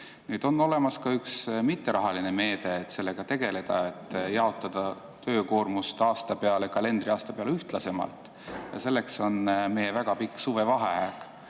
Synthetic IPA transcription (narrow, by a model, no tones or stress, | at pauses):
nyːd̪̥o̞nːo̞le̞mɑskɑyksmit̪ːeɾʔɑɦɑline̞me̞ːd̪̥e̞ːt̪se̞lːe̞ɡ̥ɑt̪e̞ɡ̥e̞le̞d̪̥ɑet̪ːˑjɑo̞t̪ˑːɑd̪̥ɑ | t̪ø̞ːko̞ːrmust̪ɑːst̪ɑpeɑlekɑle̞nd̪ɾiɑːst̪ɑpeɑleyht̪lɑse̞mɑ̰lt̪ˑ | jɑ̰se̞lːe̞kso̞nme̞jevæɡ̥ɑpikːˑsuve̞vɑɦeæk